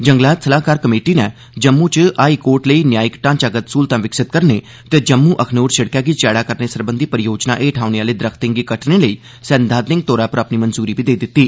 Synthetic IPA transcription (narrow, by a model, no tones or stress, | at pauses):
d͡ʒəŋɡlaːt̪səlaːkaːɾkəmeːʈiːnɛː | d͡ʒəmːũːt͡ʃaːiːkoːɾʈləiːnjaːjɪkʈãːt͡ʃaɡət̪suːlt̪ãːʋɪksɪt̪kəɾneː | t̪eːd͡ʒəmːũːʔəkʰnuːɾʃəɽkɛːɡiːt͡ʃɛːɽaːkəɾneːsəɾbənd̪iːpəɾɪjoːd͡ʒna̰ːʔeːʈʰaːʊneaːleːd̪ɾəkʰt̪ɪŋɡiːkəʈʰneːləiː | sɛ̃ːnd̪aːd̪ɪ̃ŋɡ̚t̪oːɾaːpəɾapniːmənzuːɾiːbiːd̪eːd̪ɪt̪ːiː